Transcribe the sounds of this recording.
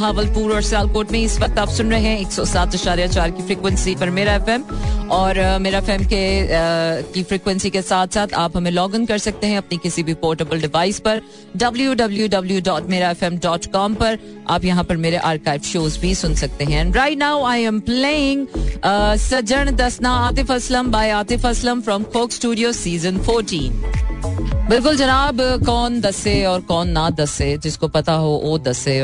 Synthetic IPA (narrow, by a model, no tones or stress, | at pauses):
ɦaːʋəlpuːɾɔːɾsaːlkoːɾʈmẽɪsʋɐk̚t̪aːpsʊnɾɐɦẽɦɛ̃eːksɔsaːt̪ɐʃaːɾijat͡ʃaːɾkifɾiːkwə̃nsipɐɾmeːɾaɛfɛmɔːɾmeːɾaɛfɛːmke | kifɾiːkwə̃nsikesaːt̪ʰsaːt̪ʰaːpɦɐmẽlɔːɡə̃nkɐɾsɐk̚t̪eɦɛ̃ɐpnikɪsibʱipoːɾʈəbəlɖɪʋaːɪspɐɾ | ɖɐbljuɖɐbljuɖɐbljuɖɔːʈmeːɾaɛfɛ̃mɖɔːʈkɔːmpɐɾ | ʔaːpjɐɦãpɐɾmeːɾeʔaːɾkaːɪʋʃoːzbʱisʊnsɐk̚t̪eɦɛ̃ɾaːɪʈ̚naːʊaːɪɛ̃mpleːɪ̃ŋɡː | sɐd͡ʒəɽ̃d̪ɐsnaaːt̪ɪfɐslə̃mbaːɪaːt̪ɪfɐslə̃mfɾɔ̃mkʰoːksʈuːɖijoːsiːzə̃nfoːɾʈĩːn | bɪlkʊld͡ʒɐnaːbkɔːnd̪ɐseɔːɾkɔːnːad̪ɐsed͡ʒɪskopɐt̪aɦoʔoːd̪ɐse